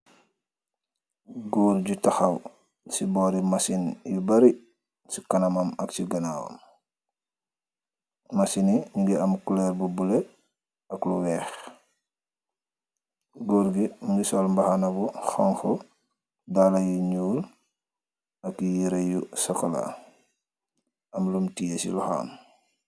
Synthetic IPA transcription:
ɡoːɾɟutɐxɐw | sibɔːɾimɐsinjibɐɾi | sikɐnɐmɐmɐksiɡɐnawɐ̰m | mɐsiniɲiɡiɐmkulɛɾbubule | ɐkluwɛːx | ɡoɾɡimuŋɡisɔlmbaxanɐbuxoŋxo | dalajuɲuːl | ɐkijiɾɐjusɐkɐla̰ | ɐmlumtijesḭluxa̰ːm

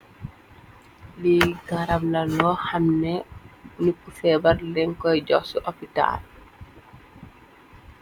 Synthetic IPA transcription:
liɡaɾamlɐlɔːhɐmnɛnukːufɛːbɐrlɛŋkɔjɟɔxsuʔɔpita̰ːl

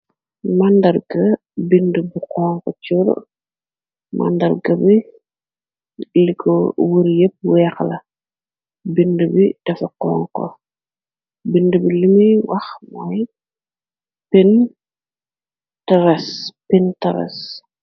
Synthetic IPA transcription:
mandɐrɡɐ | bindəbiqɔŋkɔt͡ʃuɾ̰ | ma̰ndɐɾɡɐbi | likʰɔwuɾjep̚wɛxlɐ | bindəbid̥ɛfɐkɔːŋkɔ̰ | bindəbilimiwʔɐxmaj | pin | tɐɾɛspintɐɾɛ̰s

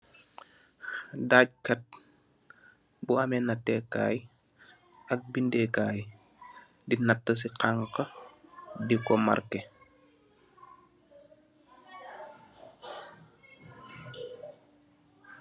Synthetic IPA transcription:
daːc̚kɐt̚ | buamɛnatːɛka̰ːj | ɐk̚bindɛkaːj | dinatːəs̬iqaŋkə | dikɔma̰ɾkɛ

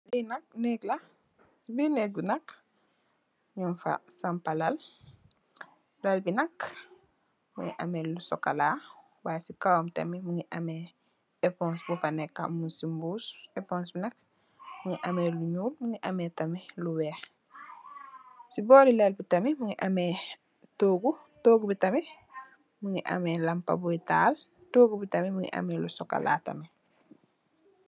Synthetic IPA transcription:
linɐk̚nɛklɐ | sibinɛk̚binɐk | ɲunfa̰sampalɐl | lalbinɐk | muŋḭʔɐ̰mɛlusɔkːalaː | waːsikawmtɐ̰mimuŋiʔɐmɛ | ɛpɔ̃nsbufanɛkːa̰musimbuːsɛpɔnsbinɐk̚ | muŋiʔɐmɛːluɲuːlmuŋiʔɐmɛːtɐmiluwɛːx | sibɔːɾilɛlbitɐmimuŋiʔɐmɛː | toːɡu | toːɡubitɐmɛ | muŋiʔɐ̰mɛlɐmpa̰buita̰ːl | toːɡubitɐmimuŋḭʔɐ̰mɛlusɔkːa̰la̰ːtɐ̰mɛ

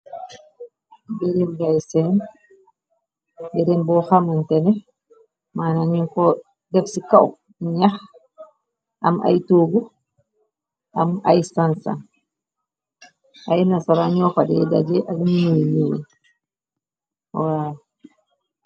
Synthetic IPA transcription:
beɾimɡajsɛn | beɾimbɔhamantɛnɛ | manaɲinkɔ | dɛfsikaw | ɲah | ʔa̰mʔa̰jtoɡu | ʔama̰jsansa̰n | ʔajnasaɾaɲɔfadɛ̰dad͡ʒɛʔalmininew̰ | wa

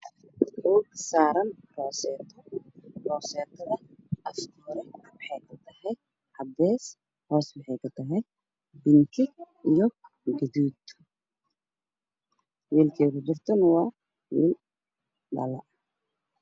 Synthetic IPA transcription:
ʔuːɡsaːɾɐnrɔːsɛːt̪ʰɔrɔːsɛːt̪ʰɐðɐʔɐft̪ʰuːɾɛwɑħɛjkʰʊt̪ʰɐhɛj | ʔɐb̪ɛːs | hɔːswɑħɛjkʰʊt̪ʰɐɦɛj | bɪŋkʰɪɡʔijɔ | ɡɐðuːd̪ | wiːlkʰɛːkʊt͡ʃɪrt̪ʰɔnɐwɑː | wḭːl | ɖɐ̰lɐ

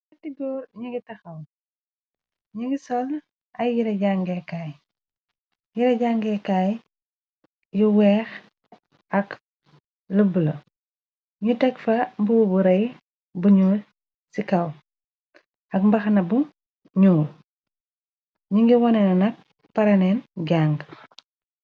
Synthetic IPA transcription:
tidɔːɾɲuŋɡitɐxɐw | ɲuŋɡisɔl | ɐjjiɾɐɟaŋɡɛkaj | jiɾɐɟaŋɡɛkaj | juwɛːx | ɐk | lubulɐ | ɲutɛkfɐmbuwubuɾɐj | buɲuːl | sikɐw | ɐkmbɐxnɐbu | ɲuːl | ɲuŋɡiwɔnɛnɐnɐk̚ | pɐɾɐnɛnɟaŋɡ

